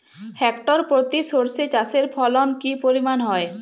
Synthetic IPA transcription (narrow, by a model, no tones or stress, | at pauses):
hɛkʈoɾpɾot̪isoɾset͡ɕaseɾpʰɔlonkipoɾimanɦɔe